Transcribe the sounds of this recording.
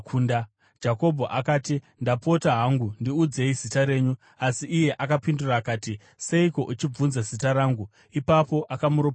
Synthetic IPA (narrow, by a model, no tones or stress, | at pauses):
kunda | d͡ʒako̞bʱo̞ʔakaːti | ndapo̞taɦaŋɡundiud͡ze̞izitaɾe̞ːɲu | asiʔːje̞ʔakapinduraːkaːti | se̞iko̞ʔut͡ʃib͡vunzazitaɾaːŋɡu | ipapo̞ʔakamuɾop